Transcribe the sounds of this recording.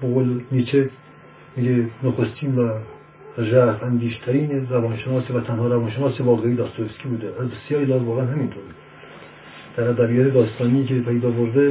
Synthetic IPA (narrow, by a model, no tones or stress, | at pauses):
boɣolnit͡ʃʰe | miːɡenoxost̪ʰiːnvæ | ʒæfænd̪iːʃt̪ʰæɾiːneɾævɒːnʃenɒːsevæt̪ʰænhɒːɾævɒːnʃenɒːsevɒːlɡɑhid̪ɒːst̪oeskʰʲiːbuːd̪eʔæzbesjɒːɾid̪ɒːzvɒːɣeænɦæmint̪ʰoːɾi | d̪̥æɾæd̪æbijɒːt̪ʰed̪ɒːst̪ɒːnijiːkepʰæjd̪ɒːboɾd̪e